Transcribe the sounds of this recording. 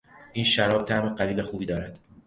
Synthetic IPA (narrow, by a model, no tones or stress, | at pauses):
ʔiːnʃæɾɒːb̥̚t̪ʰæʔmeɢæliːle̞xuːbiːd̪ɒːɾæd̪̥